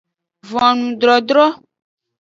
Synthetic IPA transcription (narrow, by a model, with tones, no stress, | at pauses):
vɔ̃˨nũ˨ɖ̪ɾɔ˨dɾɔ˦